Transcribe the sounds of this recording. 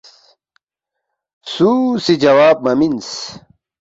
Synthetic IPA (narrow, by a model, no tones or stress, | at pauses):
susid͡ʑɐwaːb̚mɐmins